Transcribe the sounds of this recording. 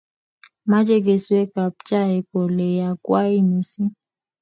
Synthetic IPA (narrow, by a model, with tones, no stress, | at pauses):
ma˦d͡ʒe˦ɡe˨swe˦ka˨p̚t͡ʃa˦˨ɛ˨ko˨le˨ja˨kwa˦i˦mi˨si˦